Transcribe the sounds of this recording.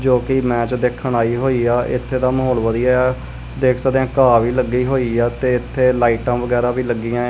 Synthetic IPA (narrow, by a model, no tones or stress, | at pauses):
d͡ʒoːkiːmɛ̃ːt͡ʃd̪eːkʰːəɳaːiːɦoːiːaːʔɪt̪ʰːeːd̪aːməɦɔːlʋəd̪ijaːaː | d̪eːkʰsəkd̪ejãːkaːʋiːləɡːiːɦoːiːaːt̪eːɪt̪ʰːeːlaːiːʈãːʋəɡɛːɾãːʋiːləɡːiːãː